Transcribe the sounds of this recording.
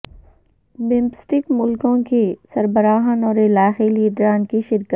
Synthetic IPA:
bɪ̃mpsʈɪkmʊlkõkisɐɾbəɾaːɦənɔːɾɪlaːxiliːɖɾaːnkiʃɪɾkət̪

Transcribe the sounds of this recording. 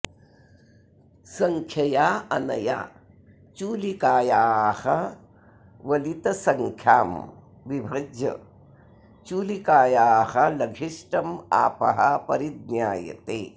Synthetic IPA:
sɐŋkʰjɐjaːɐnɐja̰ː | t͡ʃuːlikaːjaːhɐ | ʋɐlit̪ɐsɐŋkʰjaːm | ʋibʱɐd͡ʒjɐ̰ | t͡ʃuːlikaːjaːhɐlɐɡʱiʂʈɐma̰ːpɐ̰ɦɐpɐɾid̪̚njaːjɐ̰t̪eː

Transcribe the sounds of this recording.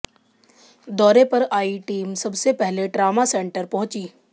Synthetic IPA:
d̪ɔːɾepɐɾaːiʈiːmsɐbsepɛɦleɖɾaːmasẽːɳʈəɾpɐɦʊ̃t͡ʃiː

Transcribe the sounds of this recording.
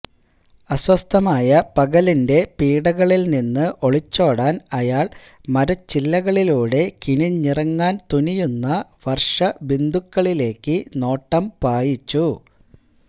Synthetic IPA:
ɐswɐst̪ʰɐmaːjɐpɐɣɐlinde̞piːɽɐɣɐɭilninːɨʔo̞ɭit͡ɕːo̞ːɽaːnɐjaːɭ | mɐɾɐt͡ɕilːɐɣɐɭiluːɽe̞kiɳiɲirɐŋːaːnt̪unijunːɐʋɐrʂɐbind̪ukːɐɭile̞ːkːɨno̞ːʈːɐmpaːjit͡ɕːu

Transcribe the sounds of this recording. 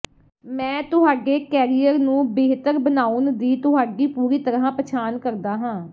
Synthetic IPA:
mɛ̃ːt̪ʊɦaːɖeːkɛːɾijəɾnũːbeːɦt̪əɾbənaːund̪iːt̪ʊɦaːɖiːpuːɾiːt̪əɾãːpət͡ʃʰaːnkəɾd̪aːɦãː

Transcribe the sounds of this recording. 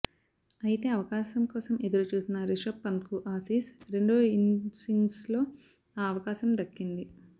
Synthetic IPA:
ɐjit̪e̞ːɐʋɐkaːʃɐmkɔːsɐme̞d̪uɾut͡ʃuːsinːɐɾiʂɐpːɐnkuʔaːsiːsɾe̞ɳɖoinsiŋɡslo̞ː | aːɐʋɐkaːʃɐmd̪ɐkːind̪i

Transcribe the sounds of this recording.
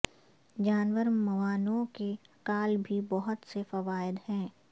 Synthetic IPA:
d͡ʒaːnʋəɾmɐʋaːnõkekaːlbʱibɔɦʊt̪sefɐʋaːɪd̪hɛ̃ː

